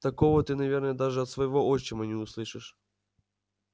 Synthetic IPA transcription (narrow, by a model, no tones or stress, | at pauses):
t̪ɐkovət̪ɨnɐvʲernəjɛd̪aʐɨɐt̪svɐjɪvoʔoɕːɪmɐnʲɪʊslˠɨʂɨʂ